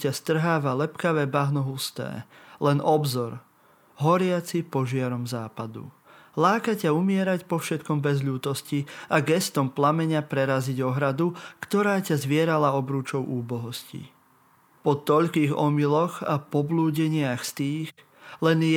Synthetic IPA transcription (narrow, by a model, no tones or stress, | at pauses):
cast̪r̩ɦaːʋalɛpkaʋɛːbaɦnɔɦust̪ɛ̰ːlɛnɔbzɔɾ | ɦɔɾɪat͡sipɔʒɪaɾɔmzaːpad̪ṵ | laːkacaumɪɛɾacpɔfʃɛt̪kɔmbɛzʎuːt̪ɔsciaɡɛst̪ɔmplamɛɲapɾɛɾaziɟɔɦɾad̪ukt̪ɔɾaːcazʋɪɛɾalaɔbɾuːt͡ʃɔʊʔuːbɔɦɔscḭ | pɔt̪ɔʎkiːɣɔ̰milɔɣapɔbluːɟɛɲɪaxst̪iːɣ | lɛn